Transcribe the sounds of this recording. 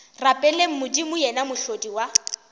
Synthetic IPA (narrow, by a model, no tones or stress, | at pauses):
rapʼɛlem̩mʊdimʊjɛnamʊɬodiwa